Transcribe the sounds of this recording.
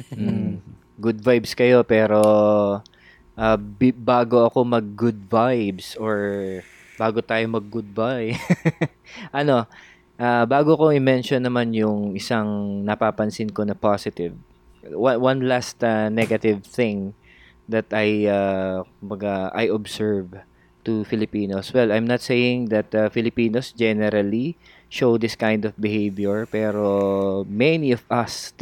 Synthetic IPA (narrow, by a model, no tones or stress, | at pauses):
m̩ | ɡʊd̪vajbskɐjo̞pɛːɾo̞ | ʔaːbbaːɡo̞ɐko̞mɐɡ̚ːʊd̪̚vajbsoɹ | baːɡot̪aːjomɐɡ̚ːʊd̪̚va | ʔɐno̞ | ʔabaːɡoko̞ɪmɛnʃonːɐmanjʊŋɪsaŋnɐpaːpɐnsɪnko̞nɐpasɪt̪ɪv | wanwɐ̃nlast̪ɐnɛɡɐt̪ɪvθɪ̃ŋ | d̪ɐt̪ajakʊmbɐɡaa̰jʔɔbsɛɹv | t̪ʊfɪlɪpiːnoswɛlajmnɐt̪sejɪ̃ŋd̪ɐt̪afɪlɪpiːnosd͡ʒɛnɛɾɐli | ʃowd̪ɪskãj̃nd̪ɔfbɪhejvjɛɹpɛːɾo̞mɛniɔvɐs